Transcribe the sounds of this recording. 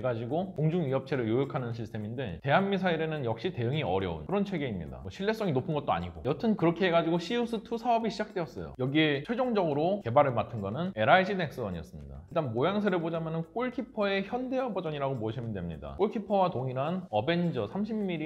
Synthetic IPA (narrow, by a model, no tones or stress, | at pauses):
eɡad͡ʑiɡokoŋd͡ʑuŋɥiɦʌp̚t͡ɕʰe̞ɾɯɭjojokʰanɯnɕʰistʰemindete̞ɦanːisʰaiɾe̞nɯnjʌk̚ɕ͈ite̞ɯŋiʌɾjʌ̰ṵnkɯɾʌnt͡ɕʰwe̞ɡe̞imɲḭda̰ʌɕʰiɭːe̞s͈ʌŋinopʰɯnɡʌt̚t͈oa̰ɲiɡo̰jʌtʰɯnkɯɾʌkʰeɦeɡad͡ʑiɡoɕʰiusʰɯtʰusʰaʌbiɕʰid͡ʑak̚t͈we̞ʌs͈ʌ̰jo̰jʌɡiet͡ɕʰeɭd͡ʑoŋd͡ʑʌɡɯɾoke̞baɾɯɭmatʰɯnɡʌnɯne̞ɾaid͡ʑine̞ks͈ɯʌɲiʌ̰s͈ɯmɲida̰iɭt͈anbojaŋsʰɯɾebod͡ʑamʌnɯnk͈oɭkʰipʰʌe̞çjʌnde̞ʌbʌd͡ʑʌɲiɾaɡomoʌɕʰimindwemɲḭda̰k͈oɭkʰipʰʌwatoŋiɾanʌbe̞nd͡ʑʌsʰamɕʰimːiɾi